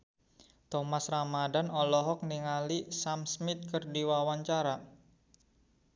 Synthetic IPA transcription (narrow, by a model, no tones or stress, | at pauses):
t̪ɔmasramadanɔlɔɦɔk̚niŋalisamsmɪt̪̚kərdiwawaɲt͡ʃaɾa